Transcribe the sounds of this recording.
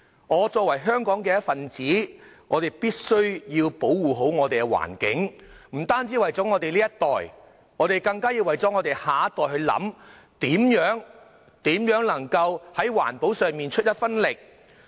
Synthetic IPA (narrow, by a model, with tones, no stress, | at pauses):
ŋɔː˨˧t͡sɔː˧k̚wɐ˨˩jɦœː˥ŋkɔː˨˥ŋkɛː˧jɐ˥tfɐ˨nt͡siː˨˥ŋɔː˨˧ɾe˨˩jpiː˥t̚sɵ˥ɥjiː˧wpo˨˥wwuː˨˩ɦo˨˥wŋɔː˨˧t̪e˨jkɛ˧wa̰ː˨˩nkɪ̰˨˥ŋm̩˨˩t̪aː˥nt͡siː˨˥wɐ˨jt͡sɔː˨˥ŋɔː˨˧t̪e˨liː˥jɐ˥t̪ɔː˨j | ŋɔː˨˧ɾe˨jkɐ˧ŋkaː˥jiː˧wɐ˨jt͡sɔː˨˥ŋɔː˨˧t̪e˨jhaː˨˧˥t̪ɔː˨˩jhɵ˧ɥlɐ̰˨˥m | t̪iː˨˥mjœː˨˥ŋ | t̪iː˨˥mjœː˨˥ŋlɐ˨˩ŋkɐ˧whɐ˨˥jwa̰ː˨˩npo˨˥wsœː˨ŋmiː˨nt͡ʃʰɵ˥t̚jɐ˥t̚fɐ˥nlɪ˨k̚